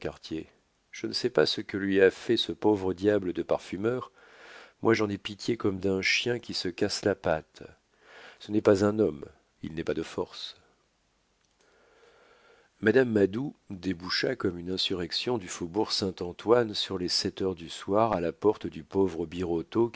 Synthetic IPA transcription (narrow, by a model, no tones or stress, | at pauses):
kaʁt̪je | ʒ̥ənəsɛpasəkəlɥiafɛsəpovʁəd̪jabləd̪əpaʁfymœːʁ | mwʔaʒɑ̃nɛpit̪jekɔmd̪ɛ̃ʃjɛ̃kʲisəkaslapat̪ | sənɛpazɛ̃nɔm | ḭlnɛpad̪əfɔʁs | mad̪amːad̪ud̪ebuʃakɔmynɛ̃syʁɛksjɔ̃d̪yfobuʁsɛ̃t̪ɑ̃t̪wansyʁlɛsɛt̪œʁd̪yswaʁalapɔʁt̪d̪ypovʁəbiʁot̪o